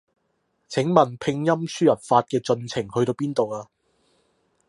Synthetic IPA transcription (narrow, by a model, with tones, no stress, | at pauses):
t͡sʰɪ˨˥ŋmɐ˨npʰɪ˧ŋjɐ˥msyː˥jɐ˨˩p̚faː˧t̚kɛː˧t͡sɵ˧nt͡sʰɪ˨˩ŋhɵ˧ɥt̪o˧wpiː˥nt̪o˨waː˧